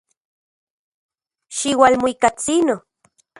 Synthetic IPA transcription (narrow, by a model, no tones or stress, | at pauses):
ʃiwalmoikat͡sino